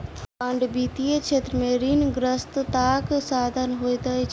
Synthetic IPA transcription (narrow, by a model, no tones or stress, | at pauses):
aɳɖbiːt̪ijet͡ʃʰeːt̪ɾəmẽɾiːnɡɾəst̪t̪aːksaːd̪ʱənɦojt̪əit͡ʃ